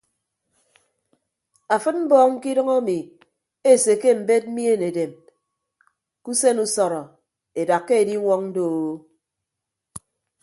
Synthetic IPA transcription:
a˨fɨ˦t̚m̩˦bɔː˦ŋŋ̩˦ki˦dɨ˦ŋɔ˦mi˨ | e˦˨se˨ke˦m̩˨be˦t̚m̩˦mi˦e˦˨ne˨de˨m | ku˦se˦nu˦sɔ˨ɾɔ˨ | e˨da˨kːe˦e˨di˦ŋʷɔ˦ŋn̩˦do˦˨˦

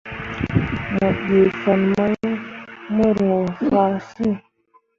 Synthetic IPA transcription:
mə˨ɓe˨fa˨nma˦jmə˦ɾo˨fa˦˨si˦˨

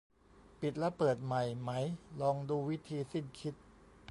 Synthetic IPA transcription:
pi˨˩t̪̚la˦˥pɤː˨˩t̪̚ma˨˩jma˦˥jlɔː˧ŋduː˧wi˦˥t̪ʰiː˧si˥˩nkʰi˦˥t̪̚

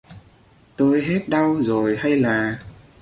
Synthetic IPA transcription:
t̪o˧jɦe˦˥t̚ɗa˧wzo˨˩jha˧jlaː˨˩

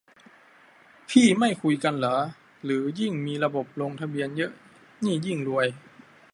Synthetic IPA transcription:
pʰiː˥˩ma˥˩jkʰu˧jka˧nlɤ˩˦ | lɯː˩˦ji˥˩ŋmiː˧ɾa˧bo˨˩p̚loː˧ŋt̪ʰa˧bi˧ənjɤ˦˥ʔ | niː˥˩ji˥˩ŋlu˧əj

